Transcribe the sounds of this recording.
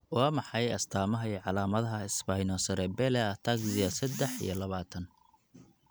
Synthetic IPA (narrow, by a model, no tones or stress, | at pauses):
wɑːmɑħɑjɐst̪ʰaːmɐɦɐiʕɑlaːmɐðɐɦɐɪsbaːjnɔsɐɾɛbɛlɛɐt̪ʰaɡsɪɐsɐd̪ɛħḭjɞlɐβaːt̪ʰɐn